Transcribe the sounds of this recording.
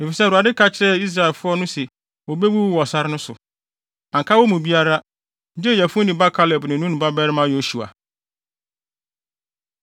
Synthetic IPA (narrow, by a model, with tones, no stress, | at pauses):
e˨fi˨sɛ˦˨ɾa˨dɪ˦kʰa˦t͡ɕʰɪ˦ɾɛ˦i˦s̬ɾa˨ɪ˨lfʊ˦ɔ˦nʊ̃˦sɛ˨ | wɔ˨be˦wu˦wwɔ˨sa˦ɾɪ˦nʊ̃˦sʊ˨ | ã˨ŋkʰa˦wɔ˦mũ˨bi˦a˦ɾa˦ | d͡ʑɛ˦˨jæ˨fʊ̃˦nĩ˨ba˦kʰa˦lɛ˨bnʊ̃ɪ̃˨nũ˦nũ˨ba˦bɛ˦ɾɪ˦mã˦jo˦su˨a̰˨